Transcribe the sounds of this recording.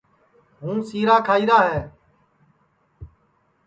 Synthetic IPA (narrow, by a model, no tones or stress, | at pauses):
ɦũːsiːɾaːkʰaːiːɾaːɦɛː